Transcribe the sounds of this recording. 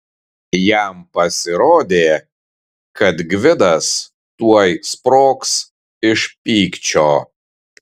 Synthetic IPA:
jæˑmpɐsʲɪɾoːd̪ʲeː | kɐt̪ɡʲʋʲɪd̪ɐs | t̪uɔjspɾoːks | ɪʃpʲiːkt͡ʃʲoː

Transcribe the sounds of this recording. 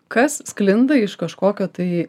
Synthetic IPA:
kɐsːklʲɪnd̪ɐɪʃkɐʃkoːkʲoːt̪ɐɪ

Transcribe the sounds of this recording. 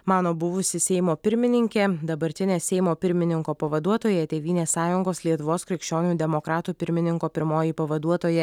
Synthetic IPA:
mɑːnoːbʊʋʊsʲɪsʲɛɪmoːpʲɪɾʲmʲɪnʲɪŋʲkʲeːd̪ɐbɐɾʲt̪ʲɪnʲeːsʲɛɪmoːpʲɪɾʲmʲɪnʲɪŋkoːpɐʋɐd̪uɔt̪oːjɛt̪ʲeːʋʲiːnʲeːsɑːjʊŋɡoːslʲiɛt̪ʊʋoːskɾʲɪkʃʲt͡ʃʲoːnʲuːd̪ʲɛmokɾɑːt̪uːpʲɪɾʲmʲɪnʲɪŋkoːpʲɪɾmoːjipɐʋɐd̪uɔt̪oːjɛ

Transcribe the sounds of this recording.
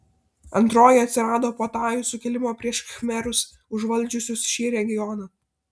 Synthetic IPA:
ɐ̰nt̪ɾoːjɪɐt̪ʲsʲɪɾɑːd̪oːpoːt̪ɑːjusʊkʲɛlʲɪmoːpʲɾʲiɛʃxʲmʲɛɾʊs | ʊʒʋɐlʲˑd͡ʒʲʊsʲʊsʃʲiːɾʲɛɡʲɪjɔnɑː

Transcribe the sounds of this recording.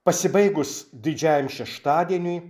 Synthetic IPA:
pɐsʲɪbɐɪɡʊsd̪ʲɪd͡ʒʲæjɛmʃʲɛʃt̪ɑːd̪ʲiɛnʲʊj

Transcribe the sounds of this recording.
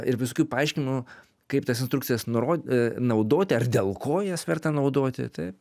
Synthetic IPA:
ɪɾʋʲɪsoːkʲuːpɐɐɪʃʲkʲɪnɪmʊ | kɐɪpt̪ɐs̬ɪnst̪ɾʊktt͡ssʲɪjɛsnʊɾoːnɐʊd̪oːt̪ʲɪɐrd̪ʲeːlˠkoːjɛsʋʲɛrt̪ɐnɐʊd̪oːt̪ʲɪ̰t̪ɐɪp

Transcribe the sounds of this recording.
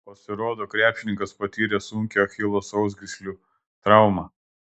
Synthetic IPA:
pɐsʲɪɾoːd̪oːkɾʲæːpʲʃʲɪnʲɪŋkɐspɐt̪ʲiːɾʲeːsʊŋʲkʲoːxʲɪlˠoːsɒʊz̬ɡʲɾʲɪsʲlʲuː | t̪ɾɑˑʊmɑː

